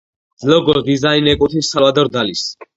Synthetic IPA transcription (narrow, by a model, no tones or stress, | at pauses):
d̪zlɔɡɔɾd̪izainɛkʼut̪ʰisavad̪ɔɾd̪alis